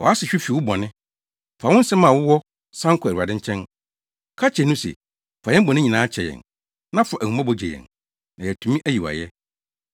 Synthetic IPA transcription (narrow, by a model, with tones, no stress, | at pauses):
wɔ̰˨a˦sɪ˨ɕᶣi˦fi˨wʊ˦bɔ˨nɪ̃˦ | fa˨wʊ̃˦n̩˦sɛ˦mã˨wʊ˦wɔ˦ | sã˦ŋ˦kʰʊ˨æ˨i˨a˨dɪ̃˦ɲ˦t͡ɕʰɛ̃˦n | kʰa˦t͡ɕʰɛ˨nʊ̃˦sɛ̰˨ | fa˨jɛ˦m̩˦bɔ̃˨nɪ̃˦ɲĩ˨nãː˦t͡ɕʰɛ˨jɛ̰̃˨n | nã˦fɔ˨ʔæ˨ũ˨m˦a˦bɔ˨d͡ʑɛ˨jɛ̰̃˨n | nã˨jɛ˨tʰũ˨mĩ˦ʔæ˦ji˨wa̰˨jɛ˦